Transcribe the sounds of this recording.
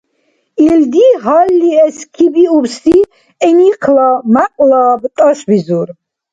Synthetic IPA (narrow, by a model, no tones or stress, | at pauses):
ild̪iɦɔlːiɛskʰibiubsi | ɛniqʰlɔmaqʼlɔbt̪ʼɔʃbizuɾ